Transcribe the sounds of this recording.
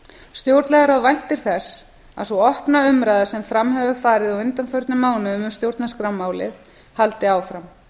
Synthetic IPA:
st̪jowɾt̪lɛɣaɾawvajn̥t̪ɪɾ̥θɛs | a̰ðsuɔhpnaʏmɾajðḁsɛmfɾamɦɛvʏfaːɾɪðɔwʏnt̪anfœɾt̪nʏmaːwnʏʏmʏmst̪jowɾt̪naskɾawmːaːwlɪ̰θ | halt̪ɪaːwfɾam

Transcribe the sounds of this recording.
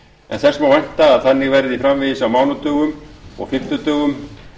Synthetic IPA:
ɛ̰nθɛr̥smawvɛn̥t̪aːðθanːɪɣvɛɾðɪifɾamvɪjɪsawmaːwnɔt̪œːɣʏmɔ̰ɣfɪm̥t̪ʏt̪œːɣʏm

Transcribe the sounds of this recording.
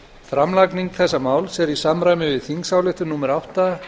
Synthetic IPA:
fɾamlakniŋkθɛsːamaːwlsɛɾisamɾaːjmɪvɪðθiŋksawlɪht̪ʏnuːmɛɾawht̪a

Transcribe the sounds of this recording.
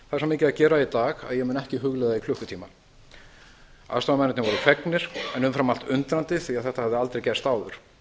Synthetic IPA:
θaɛsamɪːcɪðacɛːɾait̪aːɣa̰ðjɛmɛnɛhcɪɦʏɣlɛðaikʰlʏhkʏt̪ʰiːma | a̰ðst̪ɾawmɛnɪt̪nɪvɔɾʏfɛknɪɾ̥ɛnʏmfɾamal̥t̪ʏnt̪ɾant̪ɪθiaðθɛht̪ahavðɪalt̪ɾejcɛst̪aːwðʏɾ̥

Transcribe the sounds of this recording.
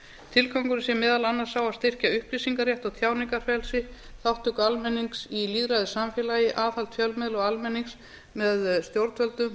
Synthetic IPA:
t̪ʰɪlkʰɔŋkʏɾɪsjɛmɛːðalanːaɾ̥saːwast̪ɪr̥caʏhplisiŋkaɾrjɛht̪ɔwt̪ʰjaːwniŋkar̥fɛlsɪ | θawht̪ʏkalmɛnːiŋksiliðɾajðʏsamfjɛlaːjɪʔaːθal̥t̪fjœlmɪðlɔɣalmɛniŋks | mɛðst̪jowɾt̪fœlt̪ʏm

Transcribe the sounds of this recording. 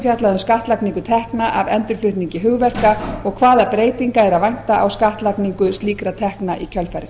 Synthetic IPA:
fjat̪laðʏmskaht̪lakniŋkʏt̪ʰɛhknaʔavɛnt̪ʏɾ̥flʏht̪niŋcɪɦʏɣvɛr̥kaɔɣkʰvaːðapɾeːjt̪iŋkaɛɾavajn̥t̪aʔa̰wskaht̪lakniŋkʏst̪liːkɾat̪ʰɛhknaʔicʰœlfɛɾ

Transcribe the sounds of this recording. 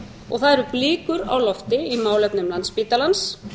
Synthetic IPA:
ɔ̰ɣθaðɛɾʏɾpliːkʏɾa̰ːwlɔft̪ɪimaːwlɛpnʏmlant̪spiːt̪alans

